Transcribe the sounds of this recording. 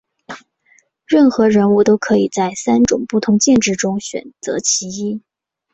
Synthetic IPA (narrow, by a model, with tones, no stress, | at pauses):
ɻə˥˩nxɤ˧˥ɻə˧˥nu˥˩t̪o˥ʊkʰɤ˧˥i˨˩t͡sa˥˩ɪsa˥nʈ͡ʂʊ̰˨˩ŋpu˥˩t̪ʰʊ˧˥ŋt͡ɕjɛ˥˧nʈ͡ʂɻ̩˥˩ʈ͡ʂʊ˥ŋɕɥɛ̰˨˩nt͡sɤ̰˧˥t͡ɕʰi˧˥i˥